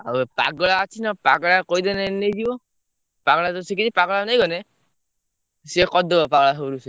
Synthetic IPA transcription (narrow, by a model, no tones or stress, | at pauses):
aupa̰ɡɔɭaːt͡ʃʰinapaɡɔɭakojd̪enenejdibɔ | paɡɔɭat̪ɔsikit̪ipaɡɔɭanajɡɔne | sikɔd̪ɔbɔpaɡɔɭaɦowɾuse